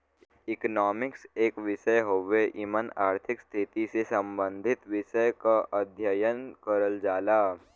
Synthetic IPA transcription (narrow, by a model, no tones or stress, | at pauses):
ɪknɔːmɪkseːkʋɪʃəjɦoʋeʔɪmənaːɾt̪ʰɪkst̪ʰɪt̪isesɐ̃mbə̃nd̪ʱɪt̪ʋɪʃəjkaʔɐd̪ʱjəjənkəɾəld͡ʒaːlaː